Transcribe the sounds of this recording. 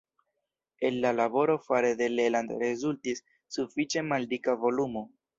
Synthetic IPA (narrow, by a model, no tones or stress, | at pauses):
enːalabo̞ɾo̞faɾed̪e̞lelandɾe̞zultisː | ufit͡ʃe̞maldikavo̞lumo̞